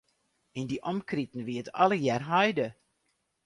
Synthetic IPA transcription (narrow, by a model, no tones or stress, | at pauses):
indiʔɔmkritn̩ʋiətʰɔləjɛrɦɔjdə